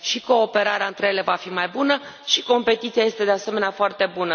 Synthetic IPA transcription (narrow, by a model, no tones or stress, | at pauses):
ʃiko̞ːpe̞ɾaɾeaɨnt̪ɾe̞jele̞vafimajbunə | ʃi̥ko̞mpe̞t̪it̪siaje̞st̪ed̪e̞aseme̞neafoart̪e̞bunə